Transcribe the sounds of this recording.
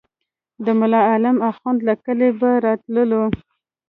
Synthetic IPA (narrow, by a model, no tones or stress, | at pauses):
d̪əmʊlɑalamaxɑnd̪lakəlebaɾɑt̪ləlo